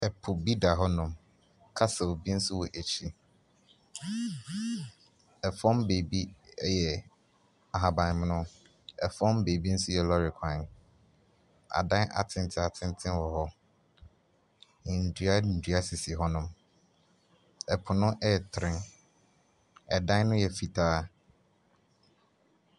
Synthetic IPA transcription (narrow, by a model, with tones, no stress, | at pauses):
ɛ˨pʰʊ˨bi˦da˨ɦɔ˦nʊ̃˨m | kʰa˦sɛ˨wo˨bi˦n̩˦sʊ˦wɔ˨ʔe˨t͡ɕʰi˦ | ɛ˨fɔ̃˦mbeː˨bi˦ɛ˦jɛ˨ | a˨ɦa˨bã˨n˨m˦nʊ̃˦ | ɛ˨fɔ̃˦mbeː˨bi˦n̩˦sʊ˦jɛ˨lɔ˦ɾɪ˨kʰã˨ | a̰˨dã˦nʔa̰˨tʰɪ̃˦n˦tʰɪ˦a˨tʰɪ̃˦n˦tʰɪ̃˦nwɔ˨ɦɔ˦˨ | n̩˨dɥi˨a˦n̩˨dɥa˦sɪ˨si˨ɦɔ˦nʊ̃˦m | ɛ˨pʰʊ˨nʊ̃˦ʔɛ˦˨tʰɾɪ̃˦n | ɛ˨dã˦nʊ̃˦jɛ˨fi˨tʰaː˦